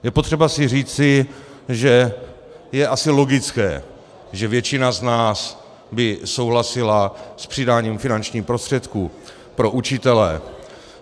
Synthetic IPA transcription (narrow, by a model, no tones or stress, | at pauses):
jɛpot̪r̝̥ɛbasɪriːt͡sɪ | ʒɛ | jɛʔasɪlo̞ɡɪt͡skɛ̰ː | ʒɛvjɛt͡ʃɪnaznaːs | bɪso̞wɦlasɪlaspr̥ɪdaːɲiːmfɪnant͡ʃɲiːpɾo̞st̪r̥ɛt̪kuː | pɾo̞ʔut͡ʃɪt̪ɛlɛ̰